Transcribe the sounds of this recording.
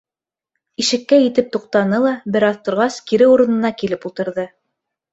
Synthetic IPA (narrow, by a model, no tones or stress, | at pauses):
iʃɘ̆kːæjɘ̆t̪ɘp̚t̪uq̚t̪ɑnɤlˠɑbɘ̆ɾɑðt̪ŏɾʁɑskiɾɘuɾɤ̆nɤ̆nɑkilɘpulˠt̪ɤ̆ɾðɤ